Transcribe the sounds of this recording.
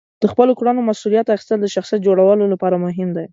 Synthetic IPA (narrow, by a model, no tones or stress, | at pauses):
d̪̥əxpəlokuɽanomasulijat̪axi̥st̪əld̪əʃaxsijat̪̚d͡ʒoɽawəlolapɑɾamʊɦɪmd̪aj